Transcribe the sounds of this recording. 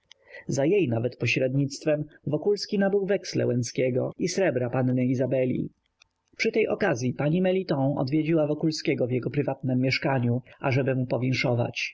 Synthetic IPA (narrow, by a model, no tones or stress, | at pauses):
zajejnavɛt̪pɔɕɾɛd̪ɲit̪st̪fɛmvɔkulskʲinabɘwvɛkslɛ̰wɛnt̪skʲɛɡɔisɾɛbɾapanːɛizabɛlʲḭ | pʂɘt̪ɛjʔɔkazʲjipaɲimɛlʲit̪ɔ̃ɔ̰d̪vʲjed͡ʑiwavɔkulskʲɛɡɔvjɛɡɔpɾɘvat̪nɛmːjɛʂkaɲuʔaʐɛbɘmupɔvʲɛŋ̃ʂɔva̰t͡ɕ